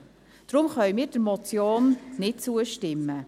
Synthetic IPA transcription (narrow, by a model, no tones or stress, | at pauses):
d̥ɾʊmχœʏmiːɾd̥əɾmɔt͡sjoːnnɪt̚t͡suəʃtɪmːə